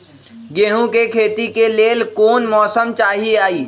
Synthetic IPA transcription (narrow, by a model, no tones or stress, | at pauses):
ɡeːɦũkekʰeːt̪ikeleːlkoːnmɔːsəmt͡ʃaːɦiaːiː